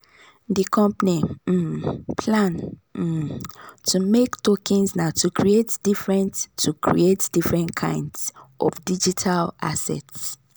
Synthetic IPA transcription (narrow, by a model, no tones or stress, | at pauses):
dikʰɔ̃mpnim̩pʰlãn̩ | tʰumektokʰĩnsnatʰukʰɹietd̥ifɹɛ̃ntʰːukʰɹḭetd̥ifɹɛ̃ntkʰã̰ɪ̃ndsʔɔ̰fdid͡ʒitʰalʔa̰sɛ̰ts